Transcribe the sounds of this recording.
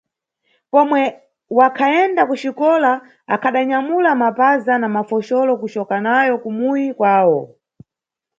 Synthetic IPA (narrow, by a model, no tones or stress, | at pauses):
pɔmwɛ | wakʰaɛndakuʃikɔla | akʰaɗaɲamulamapazanamafɔʃɔlɔkut͡ʃɔkanajɔkumujikwaːwɔ